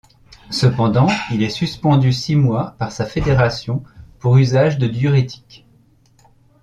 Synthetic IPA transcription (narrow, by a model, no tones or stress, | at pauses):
səpɑ̃d̪ɑ̃ilɛsyspɑ̃d̪ysimwapaʁsafed̪eʁasjɔ̃puʁyzaʒd̪əd̪jyʁet̪ʰi̥k